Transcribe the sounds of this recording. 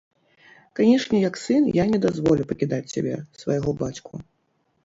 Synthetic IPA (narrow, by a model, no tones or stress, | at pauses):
kanʲɛʂnʲɛjɐksɨnjanʲɛd̪azvɔlʲupɐkʲid̪at͡sʲsʲa̰bʲɛ̰svɐ̰jaɣɔbat͡sʲku